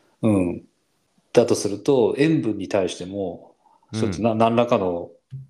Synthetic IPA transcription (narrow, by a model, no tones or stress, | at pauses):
ɯ̟̃ɴ | d̪̥at̪o̞sɨɾɯ̟t̪o̞ẽ̞mbɯ̟̃ɲ̟ːit̪aiɕi̥t̪e̞mo̞ | sot̪ːonanãnɾakano̞